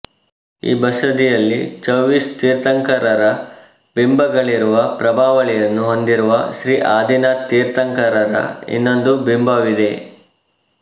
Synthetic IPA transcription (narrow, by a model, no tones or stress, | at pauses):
ḭːbɐsɐd̪ijɐlːit͡ʃɐʋist̪iːɾt̪ɐŋkɐɾɐɾɐ | bimbɐɡɐɭiɾuʋɐpɾɐbʱaːʋɐɭɛjɐnːuɦond̪iɾuʋɐʃɾiːʔaːd̪inat̪iːɾt̪ɐŋkɐɾɐɾɐ̰ḭnːond̪ubimbɐʋid̪e̞